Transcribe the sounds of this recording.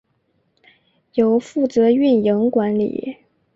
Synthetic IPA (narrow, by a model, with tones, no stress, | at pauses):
jo˧˩ʊfu˥˩t͡sɤ˧˥y˥˩njɤ˧˥ŋkwa˧˥nlḭ˨˩˦